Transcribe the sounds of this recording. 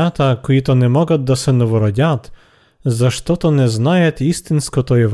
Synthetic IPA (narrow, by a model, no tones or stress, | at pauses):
at̪akɔit̪ɔnɛmɔɡat̪̚d̪asɛnɔʋɔɾɔɟʲat̪ | zaʃt̪ɔt̪ɔnɛznajɛt̪ist̪inskɔt̪ɔɛv